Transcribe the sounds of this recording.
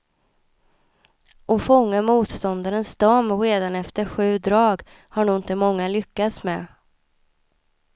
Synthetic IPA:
ɔfɔŋːamuːt̪st̪ɔnd̪aɾənsd̪̥ɔmɾeːd̪anɛft̪əɾɧʉ̟ːd̪ɾɑːɡ | haɳuːɪnt̪əmɔŋːalʏkːat̪smɛ

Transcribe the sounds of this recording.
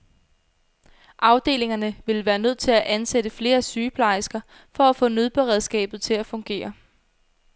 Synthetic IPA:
ʔɑ̈ʊd̥e̝̰ːle̝ŋɐnəʋe̝lʋæːɐnøð̞̰ˠt͡sʰe̝læʔænsed̥əfle̝ːɐsyːpʰlɑ̈ɪsɡ̥ɐ | fɒ̽æfɔ̰̽ːnøð̞ˠb̥eʁɛð̞ˠsɡ̥ɛ̰ːb̥ð̞̩ˠt͡sʰe̝læfɔ̽ŋɡ̥e̝̰ːɐ

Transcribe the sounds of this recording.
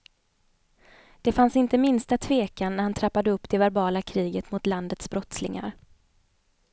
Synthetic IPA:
d̪̥ɛfansɪnt̪əmɪnst̪at̪ʰveːkanːæɾhant̪ʰɾapːad̪əɵpːd̪ɛvæɾbɑːlakʰɾiːɡət̪mʊt̪land̪ət̪sbɾɔt̪slɪ̰ŋa̰ɾ

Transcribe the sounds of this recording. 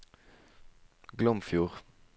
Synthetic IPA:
ɡlœmfjuːʁ

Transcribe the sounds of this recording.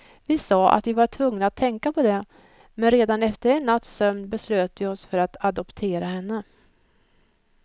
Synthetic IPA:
vɪsɑːʔa̰t̪vɪvaʈʰvɵŋnaat̪ʰːɛŋkapʰɔd̪ɛ | mɛnɾeːd̪anɛft̪əɾɛnːat̪ːsœmnbɛsløːt̪vɪɔsfœɾat̪ad̪ɔpt̪ʰeːɾahɛnːə

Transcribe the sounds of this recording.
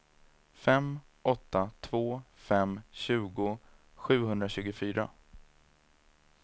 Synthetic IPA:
fɛm | ɔt̪ʰːat̪ʰvoːfɛmɕʉ̟ːɡʊ | ɧʉ̟ːɦɵnd̪ɾaɕʉ̟ːɡʊfyːɾa̰

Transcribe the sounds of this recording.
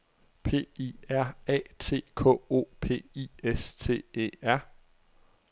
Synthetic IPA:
pʰe̝̰ːiæɐ̰ɛ̰ːt͡sʰe̝̰ːkʰɔ̰̽o̝̰ːpʰe̝̰ːiest͡sʰe̝̰ːe̝̰æɐ̰

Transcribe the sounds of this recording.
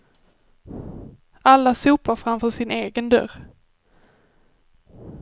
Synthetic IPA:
ʔalːasuːpaɾfɾamfœːʂɪneːɡənd̪œ̰ɾ

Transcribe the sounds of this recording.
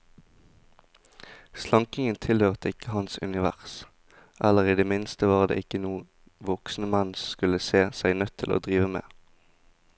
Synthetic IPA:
slɑŋkɪŋənt̪ʰɪlhøːʁt̪əɪkəhɑnsʉ̰nɪʋæ̰ʁs | ʔæləʁiːd̪eːmɪnst̪əʋɑːʁd̪ḛːʔɪkənuː | ʋɔksn̩əmænskʉləseːsæɪnœt̪ʰːɪlo̰ːd̪ʁiːʋəmḛː

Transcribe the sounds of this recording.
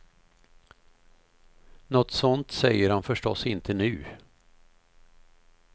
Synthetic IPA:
nɔt̪sɔnt̪sɛjːəɾhanfœʂʈɔsɪnt̪ʰənʉ̟ː

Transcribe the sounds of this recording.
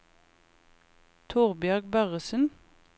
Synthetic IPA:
t̪ʰʊʁbjœʁɡbæʁəsən

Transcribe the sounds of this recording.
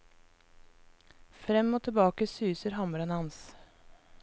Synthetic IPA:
fɾɛmoːt̪ʰɪbɑːkəsyːsəɾhɑməɾənɑns

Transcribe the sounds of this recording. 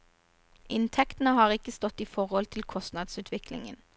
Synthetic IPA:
ʔɪnt̪ʰɛkt̪n̩əhɑːʁɪkəst̪ɔt̪ːiːfɔʁhɔlt̪ʰɪlkʰɔst̪nɑd̪sʉːt̪ʰʋɪkʰlɪ̰ŋə̰n

